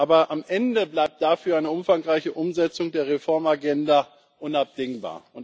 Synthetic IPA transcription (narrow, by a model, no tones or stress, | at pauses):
ʔaːbɐʔamʔɛndəblaɪp̚t̚d̥afyːɐʔaɪnəʊmfaŋʁaɪçəʔʊmzɛt͡sʊŋdeːɐʁ̞efɔɐmaɡɛnda | ʔʊnap̚d̥ɪŋba̰ːɐʊn